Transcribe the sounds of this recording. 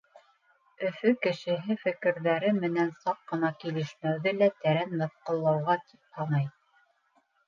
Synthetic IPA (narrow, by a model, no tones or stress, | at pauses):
ɵ̆fɵkɘ̆ʃɘ̆ɦɘfɘ̆kɘ̆ɾðæɾɘmɘ̆nænsɑqːɤ̆nɑkilɘ̆ʃmæwðɘlæt̪æɾænmɤ̆θqɤ̆lˠːɑwʁɑt̪ʰi̥p̚hɑnɑj